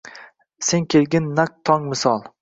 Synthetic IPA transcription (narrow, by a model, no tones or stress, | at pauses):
se̞ŋkʲʰelɡʲɪnːak̚t̪ʰɒŋmɪsɒlˠ